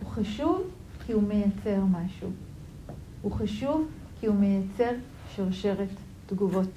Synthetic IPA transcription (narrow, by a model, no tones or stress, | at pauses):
huχaʃuv | kʰihume̞jat͡se̞ʁmaʃu | huχaʃuv | kihume̞jat͡se̞ʁ | ʃiʁʃe̞ʁet | dɡuvo̞t